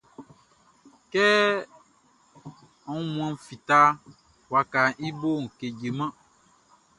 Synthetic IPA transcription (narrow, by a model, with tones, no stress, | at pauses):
kɛ˦ | ũ˦mũ˨ã˨m̩˦fi˨t̪a˦ | wa˨ka˨ʔi˦bo˦ŋ̩˨ke˨d͡ʒe˨mã˦